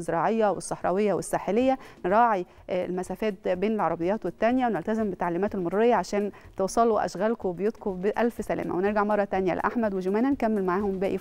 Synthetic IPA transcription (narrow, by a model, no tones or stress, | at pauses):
zːeɾˤɑːʕejːæwḛsˤːɑħɾˤɑ̰wejːæwesːaːħelejːænɾˤɑːʕḭ | lmæsæːfæːt̪̚beːnelʕɑɾˤɑbejːɑːt̪wet̪ːænjæwenelt̪æzembet̪ːaʕliːmæːt̪elmoɾˤːɾejːɑʕaʃæːn | t̪owsˤɑluʔæ̰ʃɣælkoebjuːt̪kobeʔælfsælæ̰ːmæ̰weneɾɡaʕmɑrˤːɑt̪ænjæ̰lḛʔaħmæd̪wed͡ʒomæːnænkæmːelmaʕaːhombæːʔiː